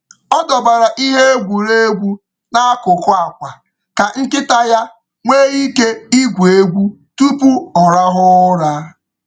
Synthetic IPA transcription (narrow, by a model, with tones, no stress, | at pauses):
ɔ˦dɔ˨ba˨ɾa˨ʔi˦ɦe˦e˦ɡʷu˨ɾe˦e˦ɡʷu˦ | na˦a˦kʊ˨kʊ˦a˨kʷa˨ | ka˨ŋ̩˦kɪ˦ta˦ja˦ | ŋʷeː˦ɣi˦ke˦i˦ɡʷu˨e˦ɡʷu˦ | tu˦pu˦ɔ˨ɾa˦ɦʊ˦ɾa˦